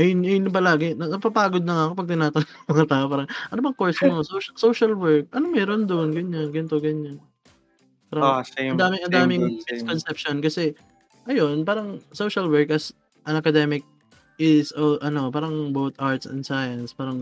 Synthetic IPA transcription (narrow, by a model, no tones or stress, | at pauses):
ʔɐjnʔɐjnpɐlaːɡɪnɐnɐpapaːɡod̪̚nɐŋakoɐpɐɡ̚t̪ɪnaːt̪ɐnŋmɐŋat̪aːʔopaːɾɐŋʔɐnobɐŋkoɹsmosowʃɐsowʃɐlwɛɹk̚ʔɐnomɛːɾond̪oʔnɡɐɲːanɡɐnɪt̪oɡɐɲːan | paːɾɐd̪aːmɪŋʔɐnd̪aːmɪŋskonsɛpʃonkɐsɛ | ʔɐjo̞npaːɾɐŋsowʃɐlwɛɹkʔɐs | ʔɐŋɐkɐd̪ɛmɪk̚ | ɪsoʔɐno̞paːɾɐŋbowt̪ʔaɹt̪sɛ̰nd̪saːjɐnspaːɾɐŋ